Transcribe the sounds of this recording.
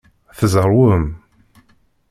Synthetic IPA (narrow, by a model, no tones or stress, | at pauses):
θəzɾˤwəm